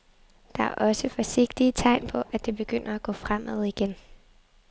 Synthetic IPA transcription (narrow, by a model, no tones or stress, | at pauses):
d̥ɑ̈æɐʔɒ̽səfɒ̽se̝ɡ̥d̥iət͡sʰɑ̈ɪnpʰɒ̽ʔæd̥e̝b̥e̝ɡ̥øn̰ɐæɡ̥ɔ̰ːfʁam̰ʔæð̞̰ˠiɡ̥en